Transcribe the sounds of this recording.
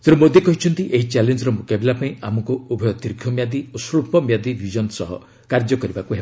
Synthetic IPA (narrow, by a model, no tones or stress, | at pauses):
t̪eɾumod̪ekɔɦit͡ʃʰɔnt̪iʔeɦit͡ʃalend͡ʒɔɾɔmũkebelapaĩamɔŋkuubʱɔjɔt̪iɾkʰjɔmjad̪iosɾupɔmjad̪ibʱid͡ʒɔnsɔɦɔ̰ | kaɾd͡ʒɔkɔɾibakuɦe